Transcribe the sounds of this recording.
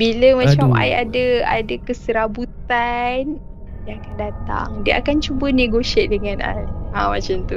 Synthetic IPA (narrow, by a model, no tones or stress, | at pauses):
biləmãt͡ʃama̰jadəa̰dakəsəɾabut̪an | diəakandat̪a̰ŋdiəʔakant͡ʃubəneɡoʃiɛʔ̪̚dəŋãnʔa̰jamãt͡ʃamt̪u